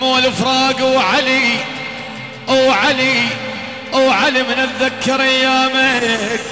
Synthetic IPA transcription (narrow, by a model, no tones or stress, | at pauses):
muwɪlɪfɾˤɑːɡwʕali | ʔwʕali | ʔwʕalimɪnɪðːakːɑɾajːaːmak